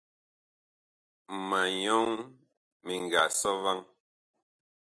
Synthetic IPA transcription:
ma˨ɲɔ˦ŋ | mi˨ŋ˨ɡa˨sɔ˦va˦ŋ

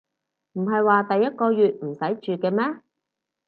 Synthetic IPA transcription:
m̩˨˩ɦɐ˨jwaː˨˧t̪ɐ˨jːɐ˥t̚kɔː˧jyː˨t̚m̩˨˩sɐ˨˥jt͡ʃyː˨kɛː˧mɛː˥

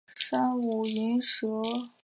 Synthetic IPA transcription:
ʂa˥nu˨˩i˧˥nʂɤ˧˥

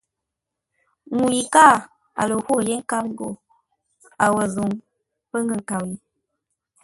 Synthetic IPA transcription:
ŋu˨ji˨ka˦˨ | a̰˨lə˨ho˦˨je˦ŋ̩˦ka˦m˦ɡo˨ | a˨wə˨zu˨ŋ | pə˦ŋ˦ɡə˦˨ŋ˨ka˨wi˨

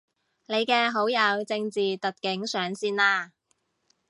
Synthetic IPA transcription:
ne˨˧jkɛː˧ɦo˨˥wjɐ˨˧wt͡sɪ˧ŋt͡siː˨t̪ɐ˨t̚kɪ˨˥ŋsœː˨˥ŋsiː˧naː˧

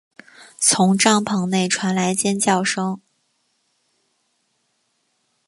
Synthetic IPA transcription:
t͡sʰʊ˧˥ŋʈ͡ʂɑ˥˩ŋpʰɤ˧˥ŋne˥˩ɪʈ͡ʂʰwa˧˥nla˧˥ɪt͡ɕjɛ˥nt͡ɕjɑ˥˩ʊʂɤ˥ŋ

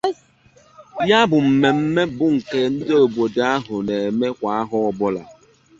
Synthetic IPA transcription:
ja˦bʊ˨m̩˨me˨m̩˦me˦bʊ˦ŋ̩˨ke˦n̩˦do˨ɡ͡bo˨da˦ɦʊ˨ne˨e˨me˦kʷa˨a˦ɦʊ˦ɔ˨bɔ˦la̰˨

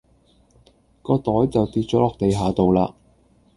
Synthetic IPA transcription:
kɔː˧t̪ɔː˨˥jt͡sɐ˨wt̪iː˧t̚t͡ʃɔː˨˥lɔː˨k̚t̪e˨jɦaː˨˧t̪o˨wlaː˧

